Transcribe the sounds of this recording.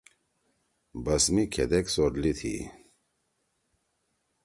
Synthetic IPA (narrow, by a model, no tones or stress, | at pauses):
bɐsmikʰed̪eksoɾlit̪ʰḭ